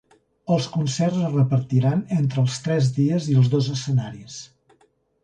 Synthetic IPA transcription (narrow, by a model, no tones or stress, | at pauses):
əlˠskunsɛrzrəpəɾt̪iɾanent̪ɾəːlˠst̪ɾɛzðiəziəlˠzðozəsənaɾis